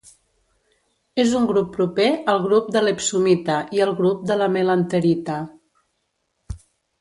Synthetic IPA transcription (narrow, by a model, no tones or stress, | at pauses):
ezuŋɡɾupːɾupeəlˠɣɾup̚d̪əlepsumit̪əʔiəlˠɣɾup̚d̪ələmelənt̪əɾit̪ə